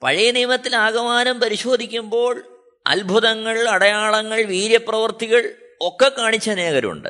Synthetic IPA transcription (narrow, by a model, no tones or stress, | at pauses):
pɐ̰ɻijɐnijɐmɐt̪ːilaːɡɐmaːnɐmpɐɾiɕo̞ːd̪ʱikʲːumbo̞ːɭ | ɐ̰lbʱuðɐŋːɐɭɐɽɐjaːɭɐŋːɐɭʋiːɾjɐprɐʋɐrt̪iɣɐɭo̞kːekːaːɳit͡ɕːɐneːɣɐɾṵɳɖɨ̰